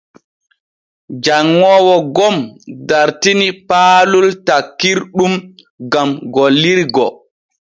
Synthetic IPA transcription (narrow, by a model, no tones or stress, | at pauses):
d͡ʒaŋːɔːwɔɡɔmdaɾtinipaːlultakːiɾɗum | ɡamɡɔlːiɾɡɔ